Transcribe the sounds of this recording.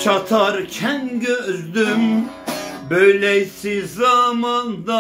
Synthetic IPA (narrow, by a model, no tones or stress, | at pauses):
t͡ʃʰɑt̪ʰaɾcʰænɟøøzd̪ym | bøjlɛjsizamand̪a